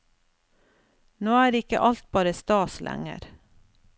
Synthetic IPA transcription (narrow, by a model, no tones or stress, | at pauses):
noːæːɾɪkə̰ʔɑlt̪̚bɑːɾəst̪ɑːslʔæ̰ŋə̰ɾ